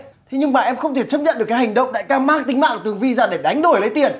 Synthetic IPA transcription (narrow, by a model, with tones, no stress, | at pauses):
t̪ʰe˨˦ɲɨ˧ŋɓaː˧˨ʔɛ˧mxə˧wŋ͡mt̪ʰe˧˩t͡ɕə˦˥p̚ɲə̰˧˨nɗɨ˨˩əkːa˨˦jɦa˨˩ŋ̟ɗə̰˧˨wŋ͡mɗa̰ː˧˥jkaː˧maː˦˥k̚t̪ï˨˦ŋ̟ma̰ː˧˨ŋt̪ɨ˨˩əŋvi˧zaː˨˩ɗe˧˩ɗa˨˦jŋ̟ɗo˨˧˩jlə˨˦jt̪i˨˩ən